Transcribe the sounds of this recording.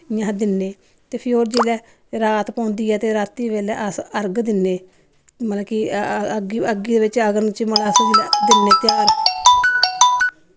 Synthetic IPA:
ɪjãːd̪ɪnːeː | t̪eːpʰɪɾoːɾd͡ʒiːlɛː | ɾaːt̪pãːnd̪iːɛːt̪eːɾaːt̪ːiːʋeːlɛːʔəsəɾɡd̪ɪnːeː | məlakiɡəɡiːd̪eːbɪt͡ʃəɡənt͡ʃməlaːsd͡ʒilɛːd̪ɪnːeːt̪ɪjaːɡəɾ

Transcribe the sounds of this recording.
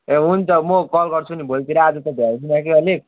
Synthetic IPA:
eɦunt̪ʌmokʌlɡʌrt͡sʰunibolt̪iɾʌad͡zʌt̪ʌbʱjad̪inakiʌle

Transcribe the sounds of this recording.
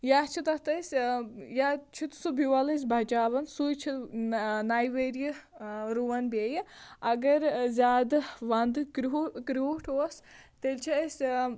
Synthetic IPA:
jaːt͡ʃʰit̪ɐt̪ɐsʲjat͡ʃʰit̪subʱiʋɐlɐs̬ʲbʱɐt͡ʃaːbɐnsujt͡ʃʰi | najʋeɾjiɾuʋɐnbʲejiɐɡɐɾzʲaːd̪ʋɐnd̪ɨkɾkɾoːʈʰoːst̪elʲt͡ʃʰiɐsʲ

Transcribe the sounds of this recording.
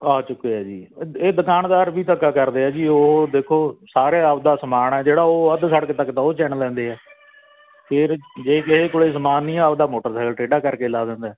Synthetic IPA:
aːt͡ʃʊkeːɛːd͡ʒiːeːd̪əkaːnd̪aːɾbiːt̪əkːaːkəɾd̪eːɛːd͡ʒiːoːd̪eːkʰoːsaːɾeːəpd̪aːsəmaːɳɛːd͡ʒeːɽaːoːəd̪səɽəkt̪əkːt̪ãːoːt͡ʃɛːɳlɛ̃ːnd̪eːɛː | pʰɪɾd͡ʒeːkɪɦeːkoːɽeːs̬əmaːnːĩːɛəpd̪aːmoːʈəɾsɛːkəlʈeːɖaːkəɾkeːlaːd̪ẽːnd̪aː

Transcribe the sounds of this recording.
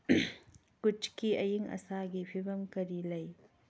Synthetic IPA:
kut͡ʃkiɐjiŋɐ̰saɡipʰibɐmkɐɾilɐj

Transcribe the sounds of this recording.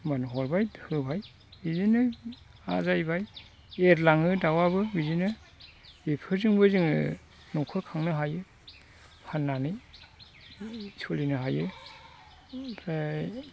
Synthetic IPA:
manɦɔɾbajdhɯbʱaj | bizinɯ | a̰zajbaj | eɾlaŋɯdawabɯbizinɯ | ipʰɯɾzɯŋbɯzɯŋɯ | nɔkʰɔɾkʰaŋnɯɦajɯ | pʰanːanɯj | sʰɔlinɯɦajɯ | da

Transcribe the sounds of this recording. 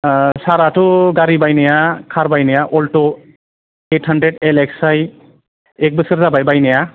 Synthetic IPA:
saɾatʊɡaɾibajnɛjakʰaɾbajnajaʔɔltɔ | ethandɾeɖeleksaj | ek̚bɯsɯɾzabajbajnaja

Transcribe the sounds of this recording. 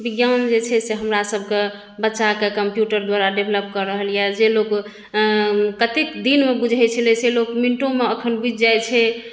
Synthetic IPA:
biɡjand͡ʒet͡ʃʰɛseɦəmɾasəbʱke | bətːʃakekəmpjuʈəɾd̪waɾaɖebʱeləp̚kəɾəɦəljad͡ʒelok | kət̪ekd̪inmebud͡ʒʱɛjt͡ʃʰəlɛselokminʈõmeəkʰənbid͡ʒd͡ʒajt͡ʃʰɛ

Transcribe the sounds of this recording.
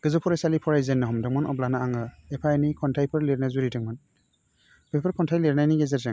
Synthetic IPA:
ɡ̥ɯzɔpʰɔɾasalipʰɔɾajzenːɯɦɔmdɯŋmɔnɔ̰blanaaŋɯepʰajnikʰɔntʰajpʰɯɾleɾnajzuɾidɯŋmɔn | pʰejpʰɯɾkʰɔntʰajleɾnajniɡezeɾzaŋ

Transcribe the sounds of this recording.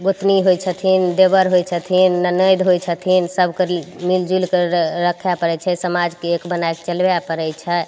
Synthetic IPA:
ɡot̪niɦojt͡ʃʰət̪ʰind̪ebəɾɦojt͡ʃʰət̪ʰinːənəjd̪ɦojt͡ʃʰət̪ʰinsəbʱkəmild͡ʒulkeɾəkʰjapəɾɛt͡ʃʰɛsəmad͡ʒkeekbənajkt͡ʃəlbjapəɾɛt͡ʃʰɛ

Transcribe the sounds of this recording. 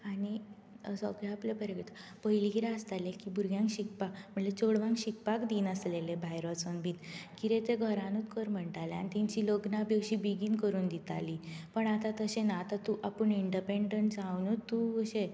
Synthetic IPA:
ani | sɔɡɭeaplepəɾjə̃kt̪əpəɦilikiɾeəst̪alekibʱuɾɡjãŋkɕik̚pakm̤əɳlet͡ɕoɽʋãŋkɕik̚pakd̪iːnəslelebʱajɾʋət͡sənbʱiːt̪kiɾet̪eɡʱəɾanut̪kəɾm̤əɳʈalea̰nit̪ĩɲt͡ɕiːloɡnabjəkɕibiɡiːnkəɾuːnd̪it̪a̰lipəɳat̪at̪əɕenaːt̪at̪uʔapəɳiɳɖipeɳɖəɳʈd͡zawnut̪ːuəɕe

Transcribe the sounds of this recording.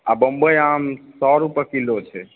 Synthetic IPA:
a̰bəmbəjamsɔɾupəkilot͡ʃʰɛ

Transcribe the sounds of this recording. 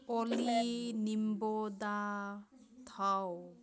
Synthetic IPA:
ɔlinimbod̪a | t̪ʰaw

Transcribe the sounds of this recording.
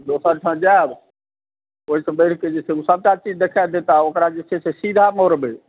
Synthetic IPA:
d̪osəɾʈʰə̃d͡ʒab | oːisə̃bəɽ̤ked͡ʒeseusəb̚t͡ʃat͡ʃid͡ʒd̪ekʰaed̪et̪aokɾad͡ʒesesesid̪ʱamoɾbe

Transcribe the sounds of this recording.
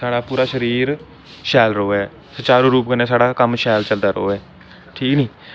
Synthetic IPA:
saːɽaːpuːɾaːʃəɾiːɾ | ʃɛːlɾəoːɛː | sət͡ʃaːɾoːɾuːp̚kəneːsaːɽaːkəmʃɛːlt͡ʃəld̪aːɾəoːɛː | ʈʰiːknĩː

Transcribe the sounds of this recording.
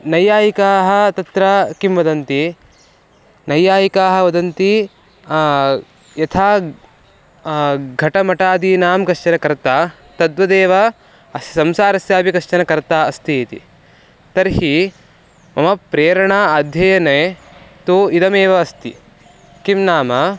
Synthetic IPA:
nɐjaːjikaːɦɐ̆t̪ɐt̪ɾakimʋɐd̪ɐnt̪i | nɐjːaːjikaːɦɐʋɐd̪ɐnt̪i | jɐt̪ʰaː | ɡʱɐʈɐmɐʈaːd̪iːnaːmkɐʃt͡ʃɐnɐkɐɾt̪aː | t̪ɐd̪ʋɐd̪eːʋɐ | ɐssɐmsaːɾɐsjaːpikɐʂt͡ʃɐnɐkɐɾt̪aːɐst̪iːt̪ḭ | t̪ɐɾhi | mɐmɐpɾeːɾɐɳaːɐd̪ʱjɐjɐnet̪uid̪ɐmeːʋɐːst̪ḭ | kimnaːmɐ

